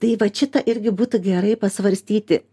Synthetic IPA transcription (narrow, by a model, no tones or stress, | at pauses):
t̪ɐɪʋɐt͡ʃʲɪt̪ɐʔɪɾʲɡʲɪbuːt̪ʊɡʲɛɾɐɪpɐsʋɐɾʲsʲt̪ʲiːt̪ʲɪ